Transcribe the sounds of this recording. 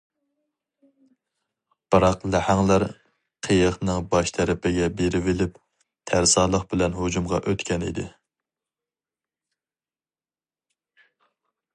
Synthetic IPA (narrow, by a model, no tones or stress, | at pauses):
b̥ɾɑqlæhæŋlˠæɾ | qʰejəχnɨŋbɑʃt̪ʰɛɾɪpʰɪɡʲɛbeɾɪvɪlɪp | t̪ʰæɾsɑlˠəqbɪlɛnɦod͡ʒumʁɑ̰ʔøt̪kʲʰɛnḭd̪ɪ